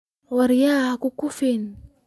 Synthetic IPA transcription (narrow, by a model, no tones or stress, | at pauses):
waɾijakukufen